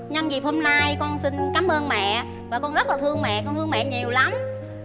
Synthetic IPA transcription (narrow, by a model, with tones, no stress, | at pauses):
ɲə˧nzi˨˩p̚ho˧mna˧jkɔ˧nsï˧nkaː˨˦mʔəː˧nmɛ̰˧˨ | vaː˨˩kɔ˧nzə˦˥t̚laː˨˩t̪ʰɨ˧əŋmɛ̰˧˨kɔ˧nt̪ʰɨ˧əŋmɛ̰˧˨ɲi˨˩əwla˨˦m